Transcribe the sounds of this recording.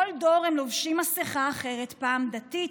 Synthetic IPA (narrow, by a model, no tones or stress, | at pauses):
oldo̞ʁhemlovʃimasiχaːχe̞ʁet̪paːmd̪at̪i